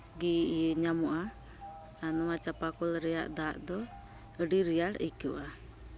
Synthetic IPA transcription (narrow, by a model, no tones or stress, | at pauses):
ɡiʔəɲamɔʔaː | nɔat͡ʃapakɔlɾɛja̰ʔd̪aːʔd̪ɔ | əɖiɾijaɾikuʔa